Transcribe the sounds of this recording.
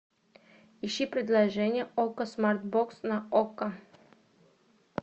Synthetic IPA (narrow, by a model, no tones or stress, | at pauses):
iʃipɾed̪lˠaʒenʲjeokasmaɾt̪̚boksnaoka